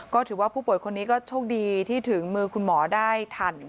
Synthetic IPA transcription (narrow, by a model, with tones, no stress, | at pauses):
kɔː˥˩t̪ʰɯː˩˦waː˥˩pʰuː˥˩pu˨˩əjkʰo˧nːiː˦˥kɔː˥˩t͡ɕʰoː˥˩k̚diː˧t̪ʰiː˥˩t̪ʰɯ˩˦ŋmɯː˧kʰu˧nmɔː˩˦daː˥˩jt̪ʰa˨˧˩n